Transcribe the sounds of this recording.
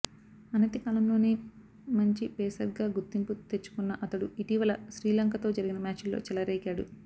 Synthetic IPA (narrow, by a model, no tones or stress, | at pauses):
ɐnɐt̪ikaːlɐmlo̞ːniː | mɐɲt͡ʃipɛːsɐɾɡaːɡut̪ːimput̪e̞t͡ʃːu̥kunːɐʔɐt̪ɐɽuiʈiːʋɐlɐʃɾiːlɐŋkɐt̪o̞ːd͡ʒɐɾiɡinɐmaːt͡ʃulːo̰ːt͡ʃɛlɐɾɛːkaːɽṵ